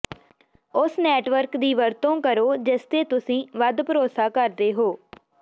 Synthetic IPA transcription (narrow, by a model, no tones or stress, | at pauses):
ʊsnɛːʈʋəɾkd̪iːʋəɾt̪õːkəɾoːd͡ʒɪst̪eːt̪ʊsĩːʋəd̪pəɾoːsaːkəɾd̪eːɦoː